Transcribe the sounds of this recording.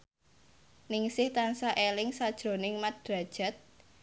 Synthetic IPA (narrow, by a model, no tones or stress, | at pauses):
nɪŋsɪht̪ansaʔelɪŋsad̥ʒ̥ɾo̤nɪŋmad̥ɾa̤d̥ʒ̥a̤t̪̚